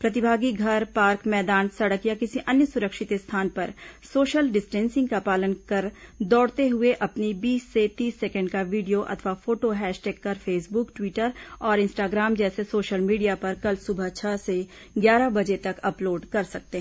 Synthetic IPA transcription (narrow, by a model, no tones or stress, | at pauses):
pɾɐt̪̬ɪbʱaːɡiɡʱɐɾpaːɾkmɛːd̪aːnsɐɽəkjakɪsiʔɐnjəsʊɾəkʃɪt̪est̪ʰaːnpɐɾsoːʃəlɖɪsʈɛ̃ːnsɪ̃ŋɡkapaːlənkɐɾd̪ɔːɽt̪eɦʊeʔɐpnibiːsːet̪iːsːɛkə̃ɳɖkaʋiːɖijoʔɐ̰t̪ʰʋafoːʈoɦɛːʃʈɛːkːɐɾfʰeːsbʊkʈwiːʈəɾɔːɾɪ̃nsʈaːɡɾaːmd͡ʒɛːsesoːʃəlmiːɖijapɐɾkɐlsʊbʱət͡ʃʰəse | ɡjaːɾabɐd͡ʒet̪ɐkɐploːɖkɐɾsɐk̚t̪eɦɛ̃ː